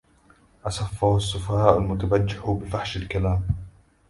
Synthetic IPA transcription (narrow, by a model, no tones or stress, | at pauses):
ʔɑsˤɑfːahʊsˤːʊfahaːʔʊlmʊt̪abad͡ʒːɪħʊbɪfaħʃalkalaːm